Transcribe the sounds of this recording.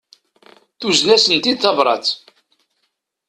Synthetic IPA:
θuznæsənt̪id̪θɑvɾˤɑ̰t͡s

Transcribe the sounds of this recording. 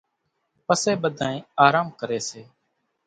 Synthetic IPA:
pəseːɓəd̪ʱaːẽːaːɾaːmkəɾeːseː

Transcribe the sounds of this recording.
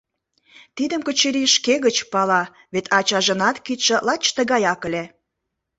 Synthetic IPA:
t̪id̪ə̆mkət͡ɕeɾiʃkeɣət͡ɕpɑlɑ | βet̪ʰɑt͡ɕɑʒə̆nɑt̪kit̪ʃə̆lɑt͡ɕt̪ə̆ɣɑjɑkəlʲe

